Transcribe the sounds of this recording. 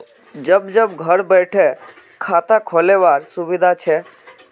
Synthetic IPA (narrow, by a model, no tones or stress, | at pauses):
d͡ʒəbd͡ʒəbɡʱəɾbəɪʈʰɛ | kʰat̪akʰoleʋaɾsubid̪ʱat͡ʃʰɛ